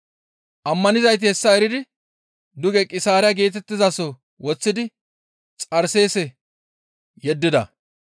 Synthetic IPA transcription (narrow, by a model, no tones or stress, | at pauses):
ʔɐmːɐnɪzɐjt̪̬ɪhɛsːɐɛɾɪd̪ɪ | d̪ʊɡɛkʼɪsaːɾɛjɐɡeːt̪ɛt̪ːɪzasɔ | wɔt͡sːɪd̪ɪ | t͡sʼɐɾse̞ːsɛ | jɛd̪ːɪd̪ɐ̰